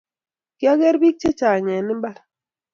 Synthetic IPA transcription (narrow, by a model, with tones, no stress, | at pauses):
ɡ̥ja˦ɡɛ˦ɾbi˦k̚t͡ʃe˦t͡ʃa˨ɲɛ˨nɪ˦mba˦l